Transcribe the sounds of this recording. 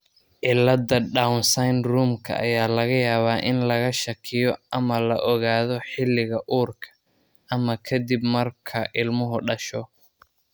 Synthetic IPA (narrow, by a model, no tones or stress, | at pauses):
ʔɪlːɐd̪ɐɖawnsajnruːmkʰɐ̰ʔɐ̰jaːlɐɣɐjaːβaːʔɪnlɐɣɐʃɐkʰɪjɔʔɐmɐlɐʔɔɣaːðɔħɪlːɪɣɐʔuːrkʰɐ̥ | ʔɐmɐkʰɐd̪ibmɐrkʰɐʔɪlmʊɦʊɖɐʃɔ